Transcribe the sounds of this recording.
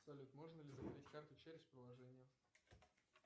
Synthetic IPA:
sɐlʲut̪mo̞ʐnəlʲɪzəbɐɾʲitʲkart̪ʊt͡ɕæɾʲɪsʲpɾɪlˠɐʐɛnʲɪjə

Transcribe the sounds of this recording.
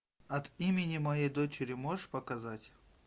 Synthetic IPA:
ɐt̪imʲɪnʲɪmɐjejd̪ot͡ɕɪɾʲɪmoʐʂpɐkɐzatʲ

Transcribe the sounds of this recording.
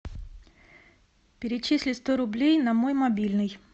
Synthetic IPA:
pʲɪɾʲɪt͡ɕisʲlʲɪst̪oɾʊblʲejnɐmojmɐbʲilʲnɨj

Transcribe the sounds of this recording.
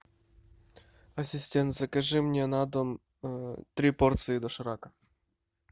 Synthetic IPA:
ɐsʲɪsʲtʲent̪zɐkɐʐɨmnʲɛnad̪ɔm | t̪ɾʲiport̪sɨɪd̪ɔʂɐɾakɐ̥

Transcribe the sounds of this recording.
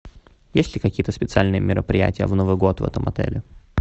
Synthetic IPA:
jesʲtʲlʲɪkɐkʲijət̪əspʲɪt̪sɨalʲnɨjəmʲɪɾʔəpɾʲɪjæ̰tʲɪjəvnovɨjɡo̞t̪vɛ̰t̪əmɐt̪ɛ̰lʲɪ

